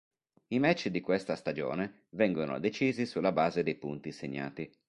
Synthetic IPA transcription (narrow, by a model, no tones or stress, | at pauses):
imɛt͡ʃːd̪ikwest̪ast̪ad͡ʒo̰ːne | vɛŋɡono̰d̪et͡ʃiːzisulːabaːzed̪ejpunt̪iseɲːa̰ːt̪i